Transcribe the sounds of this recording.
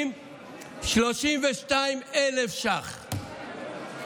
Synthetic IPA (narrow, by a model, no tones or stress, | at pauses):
m | ʃloʃimveʃtaimelefʃaχ